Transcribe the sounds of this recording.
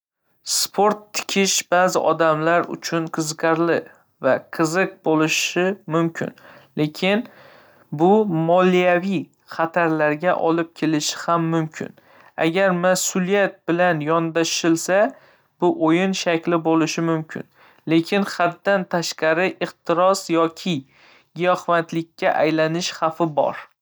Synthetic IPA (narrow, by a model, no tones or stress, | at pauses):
spʰoɾt̪ʰːɪ̥kʲʰɪʃbazɪʔɒd̪amlaɾʊ̰t͡ʃʰʊnqʰɨzqʰɑɾlɪ | vaqʰɨzɨq̚bolɪʃɪmʊmkʲʰɪ̰nle̞kʲʰɪn | bʊmɒlijavij | χat̪ʰaɾlaɾɡʲaʔɒlɪp̚kʲʰe̞lɪʃɪ̥hamːʊmkʲʰɪ̰n | a̰ɡʲaɾmasʊlijat̪̚bɪlanjɒnd̪aʃɪlsa | b̥ʊʔojɪnʃakʲlɪbolɪʃɪmʊmkʲʰɪ̰n | le̞kʲʰɪnχat̪ːant̪ʰaʃqɑɾɪʔɪχt̪ʰɪɾɒsjɒkʲʰɪ | ɡijɒhvant̪lɪkʲːaʔa̰jlanɪʃhafɪbɒ̰ɾ